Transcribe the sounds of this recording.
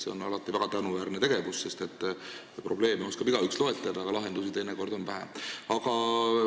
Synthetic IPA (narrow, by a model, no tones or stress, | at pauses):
seo̞nɑ̰lɑt̪ːˑivæɡ̥ɑt̪ænuvæːɾnet̪e̞ɡ̥e̞vusse̞st̪e̞t̪ːˑ | pro̞ble̞ːmeo̞skɑbiɡ̥ɑykslo̞et̪ːˑɑd̪ɑːɡɑlɑɦend̪usit̪eneko̞rd̪̥o̞nvæɦæ̰ɑɡɑ